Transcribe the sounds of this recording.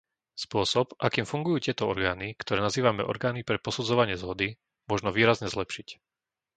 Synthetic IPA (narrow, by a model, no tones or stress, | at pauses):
spʊɔsɔpakiːmfuŋɡujuːtɪɛt̪ɔɔɾɡaːnikt̪ɔɾɛːnaziːʋamɛ̰ʔɔ̰ɾɡaːnipɾɛpɔsud͡zɔʋaɲɪɛzɦɔd̪i | mʊɔʒnɔʋiːɾazɲɛzlɛpʃic